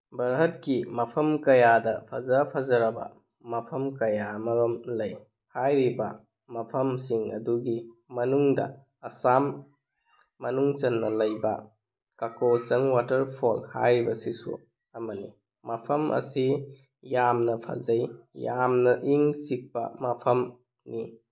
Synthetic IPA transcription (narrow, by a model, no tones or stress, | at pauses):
bɐɾɦɐt̚kimɐpʰɐmkɐjadɐpʰɐzɐpʰazɐɾɐbɐ̰ | mɐpʰɐmkɐjamɐɾomlɐj | hajɾibɐ | mɐpʰɐmsiŋɐ̰duɡimɐnuŋdɐ̰ | ɐsamː | ɐnuŋt͡ʃɐnːɐlɐjbɐ̰ | kakot͡ʃɐŋwatɐɾpʰolha̰jɾibɐsisṵ | ɐmɐni | mɐpʰɐmʔɐ̰si | jamnɐpʰa̰zɐjjamnɐʔiŋsik̚pɐ̰mɐpʰɐm | ni